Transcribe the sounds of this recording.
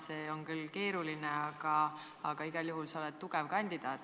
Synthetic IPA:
se̞ːo̞nkylːke̞ːɾulineɑɡ̥ɑ | ɑɡ̥ɑiɡ̥ɑljuɦulsɑolɛt̪̚t̪uɡ̥evkɑnʲd̪̥id̪̥ɑːt̪ːˑ

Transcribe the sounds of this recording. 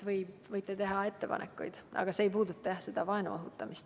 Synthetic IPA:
vɤjbvɤjt̪ːˑe̞t̪e̞ɦɑe̞t̪ːe̞pɑ̰nḛkːˑṵjd̪̥ʔɑ̰ɡ̥ɑse̞ːjpuːd̪ut̪ːˑɑjɑse̞d̪̥ɑvɑe̞nṵoɦut̪ːˑɑmist̪

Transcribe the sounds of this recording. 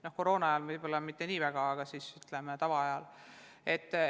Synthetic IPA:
no̞hko̞ɾo̞ːnɑɑjɑlvɯjbolːɑmit̪ːe̞niːvæɡ̥ɑɑɡ̥ɑsiːsyt̪lemet̪ɑvɑɑjɑl | e̞t̪ːˑ

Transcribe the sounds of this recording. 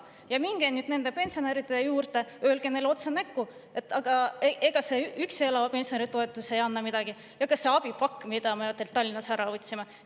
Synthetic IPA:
jɑmiŋɡ̥enyd̪̥ne̞nd̪e̞pe̞nʲsio̞neɾid̪ejuːrt̪e̞ø̞ːlɡ̥enejlo̞t̪senækːue̞t̪ːˑɑɡ̥ɑeeɡ̥ɑseykseelɑvɑpe̞nsioneɾit̪o̞e̞t̪ːˑuse̞jɑnːɑmid̪̥ɑɡ̥i | jɑkɑsːe̞ɑb̥ipɑkːmid̪̥ɑmeɑt̪ːˑelt̪ɑlʲːinːɑsæɾɑot̪ʲsimɑ

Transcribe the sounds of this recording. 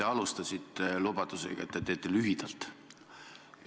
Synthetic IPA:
eɑlust̪ɑsʲit̪ˑːelub̥ɑt̪usḛɡ̥ɑ̰ḛt̪ːet̪ːe̞ːt̪ːˑelyɦid̪̥ɑlt̪

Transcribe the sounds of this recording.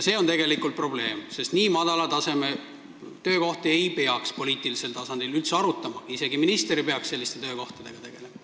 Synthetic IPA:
se̞ːo̞nt̪e̞ɡe̞likˑult̪̚pro̞ble̞ːmse̞st̪niːmɑd̪̥ɑlɑt̪ɑse̞me̞ | t̪ø̞ːko̞ht̪ie̞jpe̞ɑkspo̞lʲiːt̪ˑilise̞lt̪ɑsɑnd̪̥ilylt̪seɑɾut̪ːˑɑmɑise̞ɡiminist̪eɾipeɑksselːist̪e̞t̪ø̞ːko̞ht̪ɑd̪e̞ɡ̥ɑt̪e̞ɡ̥e̞lemɑ

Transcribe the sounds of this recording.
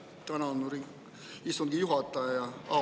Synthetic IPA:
t̪ænɑnuɾi | isoŋɡ̥ijuɦɑt̪ːˑɑɑjɑɑ̰

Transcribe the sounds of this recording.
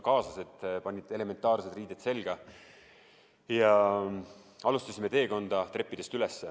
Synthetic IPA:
kɑːsɑse̞t̪ːˑpɑnʲːit̪e̞le̞me̞nt̪ːˑɑːrsed̪riːd̪̥et̪se̞lɡ̥ɑ | jɑ | ɑlust̪ɑsʲimet̪e̞ːko̞nd̪̥ɑt̪re̞pːid̪̥e̞st̪ylesːe

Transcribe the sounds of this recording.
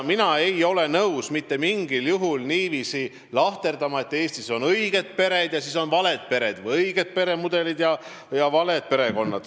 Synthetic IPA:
minɑe̞jo̞le̞nɤuwsmit̪ːe̞miŋɡ̥iljuɦulniːviːsi | lɑht̪e̞rd̪̥ɑmɑe̞t̪ːˑe̞ːst̪iso̞nɤjɡ̥e̞d̪̥̚pe̞ɾe̞d̪̥jɑsiːs̬o̞nvɑle̞d̪̥̚pe̞ɾe̞d̪vɤjɤjɡ̥ed̪̥̚pe̞ɾe̞mud̪e̞lid̪jɑ | jɑvɑle̞d̪̥̚pe̞ɾe̞ko̞nːɑd̪̥

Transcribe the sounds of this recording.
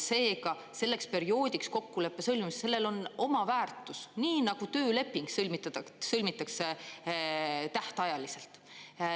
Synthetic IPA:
se̞ːkɑ | se̞lːe̞kspe̞ɾio̞ːd̪̥ʲiksko̞kːule̞pːe̞sɤlʲmimsse̞lːe̞lo̞no̞mɑvæːrt̪ˑːusniːnɑɡ̥ut̪øːle̞pːiŋɡsɤlmit̪ːsɤlmit̪ːˑɑkse | t̪æht̪eɑjɑlise̞lt̪

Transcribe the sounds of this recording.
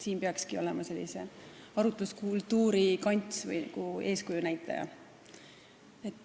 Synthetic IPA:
siːmpeɑkskio̞̰lɛmɑse̞lːḭse̞ɑɾut̪ˑuskult̪ːuːɾikɑnʲt̪svɯ̰jn̰ɡ̥ue̞ːskujunæjt̪ːˑɑ̰jɑ̰ | et̪ːˑ

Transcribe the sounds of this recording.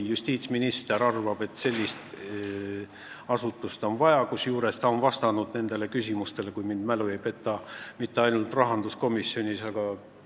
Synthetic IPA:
just̪iːt̪sminist̪eɾɑrvɑb̥e̞t̪se̞lʲːist̪ | ɑsut̪ːˑust̪o̞nvɑjɑkusjuːɾe̞st̪ɑonvɑst̪ɑnud̪̥ne̞nd̪e̞le̞kysʲimust̪e̞le̞kujmind̪mæluejpe̞t̪ːˑɑmit̪ːe̞ɑjnult̪rɑɦɑnd̪̥usko̞misːio̞nʲisɑɡ̥ɑ

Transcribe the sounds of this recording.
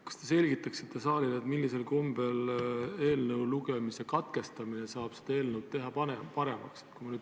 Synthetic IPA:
kɑ̥st̪ese̞lʲɡit̪ːˑɑksi̥t̪ːˑesɑːlile̞t̪milːise̞lkombe̞le̞ːlnəwluɡemise̞kɑt̪ke̞st̪ɑmine̞sɑːb̥se̥d̪ɑe̞ːlnəwd̪̚t̪ːe̞ɦɑpɑnempɑɾe̞mɑkset̪̚kujmɑnyːd̪

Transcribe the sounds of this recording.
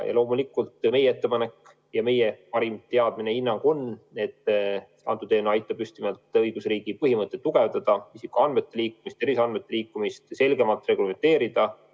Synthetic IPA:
jɑ̰lo̞ːmulikːˑult̪ˑme̞jee̞t̪ːe̞pɑne̞kː | jɑme̞jepɑɾimt̪eɑd̪̥mine̞inːɑŋɡ̥o̞nne̞t̪ːˑ | ɑ̰nt̪ut̪e̞ːnuɑjt̪ːˑɑb̥yst̪imɑlt̪ˑɤjɡ̥usriːɡ̥ipɤɦimɤt̪ˑːet̪ːuɡ̥e̞vd̪ɑd̪̥ɑisikːˑoɑnme̞t̪ːe̞liːkːˑumist̪e̞ɾiseɑnmet̪ːˑe̞liːkːˑumist̪se̞lɡe̞mɑlt̪ːˑre̞ɡuleme̞nt̪e̞ːɾid̪̥ɑ

